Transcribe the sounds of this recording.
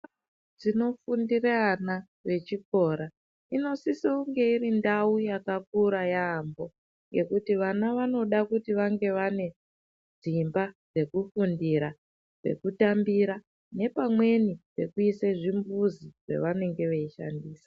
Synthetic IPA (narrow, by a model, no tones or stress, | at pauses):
d͡zino̞fundirana | ʋe̞t͡ʃiko̞ːɾa | ino̞sisiuŋɡe̞irindaujakak̚uɾajaːmbo̞ | ŋɡe̞̰kutiʋanaʋano̞ɗakutiʋaŋɡe̞ʋane̞ | d͡zimbad͡ze̞kufundiɾa | re̞̰kutambiɾa | ne̞pamwe̞nipe̞kuiseʐimbuziʐ̥ḛʋane̞ŋɡe̞ʋeiʃa̰ndiːsḁ